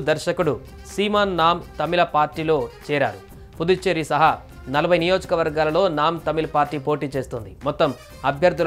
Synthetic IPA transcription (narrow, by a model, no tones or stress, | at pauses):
d̪ɐɾʃɐkuɽu | siːmaːnːaːmt̪ɐmilɐpaːɾʈːiːlo̞ːt͡ʃɛːɾa̰ːɾu | pud̪ut͡ʃːeɾisɐɦɐ | nɐlɐbʱɐjnijo̞ːd͡ʒɐkɐʋɐɾɡaːlɐlo̞ːnaːmt̪ɐmilɐpaːɾʈiːpo̞ːʈiːt͡ʃe̞ːst̪und̪imɔt̪ːɐm | ɐbʱjɐɾd̪ʱul